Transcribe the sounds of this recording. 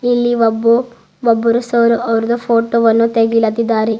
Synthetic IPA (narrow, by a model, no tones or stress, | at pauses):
ilːiʋɐbːu | ʋɐbːuɾusɐʋɾuʔɐʋɐɾud̪ɐpʰoːʈoːʋɐnːut̪eɡilɐd̪id̪ːaːɾe